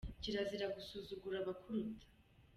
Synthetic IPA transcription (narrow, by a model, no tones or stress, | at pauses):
ciɾaziɾaɡusuzuɡuɾaβakʰuɾut̪ʰḁ